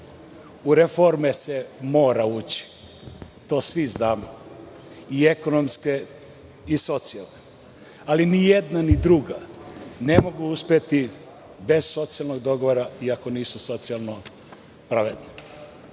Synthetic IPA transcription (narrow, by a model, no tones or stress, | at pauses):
uɾefoɾmesemo̞ːɾauːt͡ɕi̥ | t̪o̞ːsʋiznaːmo | ie̞ko̞nomske̞ | iso̞t̪sialˠne | alinijed̪nanid̪ɾuɡane̞mo̞ɡuuspet̪i | be̞z̥so̞t̪sijalˠno̞ɡd̪o̞ɡo̞ʋoɾaiako̞niːsuso̞t̪sialˠno | pɾaʋed̪ne